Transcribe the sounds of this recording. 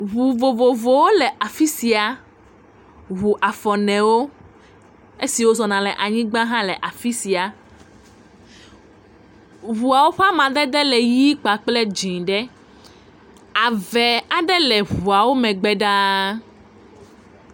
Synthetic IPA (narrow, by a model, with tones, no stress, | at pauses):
βu˨vo˨vo˨vo˨wo˦lɛ˨ʔa˨fi˦si˨a˨ | ɦu˨ʔa˨fɔ˨nɛ̃˨wo˦ | e˦si˨wo˦zɔ˨nã˨lɛ˨ʔa˨ɲĩ˦ɡ͡bã˦ɦã˦lɛ˨ʔa˨fi˦si˨a˨ | βu˨a˨wo˦ɸa˦mã˨d̪ɛ˦d̪ɛ˦lɛ˨ji˦k͡pa˨k͡ple˦d͡ʒĩ˨ɖɛ˦ | a˨vɛ˨a˦ɖɛ˦lɛ˨βu˨a˨wo˦mɛ̃˨ɡ͡bɛ˦ɖa˦